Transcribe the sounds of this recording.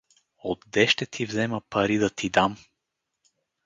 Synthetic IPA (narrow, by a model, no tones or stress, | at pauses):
od̪ːɛʃt̪ɛt̪ʰivzɛməpɐɾid̪ɐt̪ʰid̪am